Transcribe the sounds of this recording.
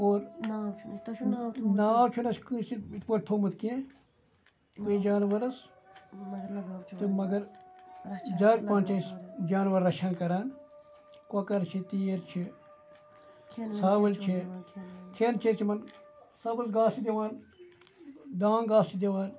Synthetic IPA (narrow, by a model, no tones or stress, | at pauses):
oːɾ | naːwt͡ʃʰunɐskɨt͡ʃiit̪ʰpɐʈt̪ʰoːmɨt̪kẽ | kuĩd͡ʒaːnʋɐɾɐs | ɨmɐɡɐɾ | d͡ʒɐːk̚pãːnt͡ʃɐsd͡ʒaːnʋɐɾːɐʃʰankɐɾaːn | kɐkɐɾt͡ʃʰit̪iːɾt͡ʃʰi | saːbɐlt͡ʃʰi | k̪ʰeːnt͡ʃʰeɾt͡ʃʰimɐnsɐbɐlsɡaːsid̪ʲiʋaːn | d̪aːŋɡaːst͡ʃid̪ʲiʋaːn